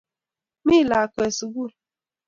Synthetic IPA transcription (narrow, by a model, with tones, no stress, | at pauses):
mi˦˨la˨ke˨su˨ɡu˦˨